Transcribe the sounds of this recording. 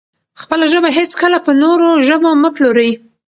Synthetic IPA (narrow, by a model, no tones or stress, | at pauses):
xpəlaʒəbaɦet͡skəlapənoɾoʒəboməploɾəji